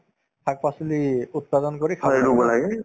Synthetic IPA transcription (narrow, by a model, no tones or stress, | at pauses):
tʰak̚pasiliut̚padɔnkoɹikʰalubɔlaɡɛ